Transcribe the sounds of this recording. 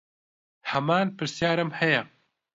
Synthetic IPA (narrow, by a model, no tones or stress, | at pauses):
hɐmaːnpɨɾsjaːɾɐmhɛjɛ